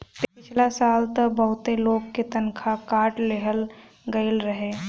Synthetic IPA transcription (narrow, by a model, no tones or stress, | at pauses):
pɪpɪt͡ʃʰlasaːlt̪əbəɦʊt̪eloːɡket̪ənkʰakaːʈleɦəl | ɡəɪlɾəɦeː